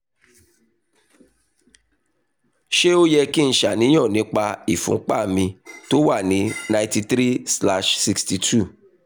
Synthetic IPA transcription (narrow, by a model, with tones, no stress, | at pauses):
ʃe˦o˦jɛ˧ki˦n̩˦ʃa˨nĩ˦j̃ɔ̃˦˨nĩ˨˦k͡pa˧i˨fṵ̃˨˦k͡pa̰˦˨mĩ˧to˦wa˦˨nĩ˨˦nã˨˧j̃ti˧tɾi˦sla˦ʃsi˧ksti˧tʰu˦˨